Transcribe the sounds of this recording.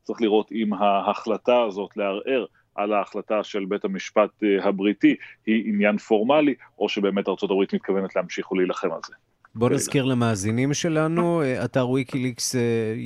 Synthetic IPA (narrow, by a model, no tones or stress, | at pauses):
t͡sʁiχliʁo̞timɦaaχlataːzo̞tleaʁʔe̞ʁ | ʔalaːχlataʃe̞lbe̞thamiʃpatɦabʁitihiːnjanfo̞ʁmaliʔo̞ʃebe̞ːme̞taʁt͡so̞tabʁitmit̪̚kʰave̞netlehamʃiχoleilaχema̰lze | bo̞naz̥kiʁlamaːzinimʃe̞lanuataʁwikilikse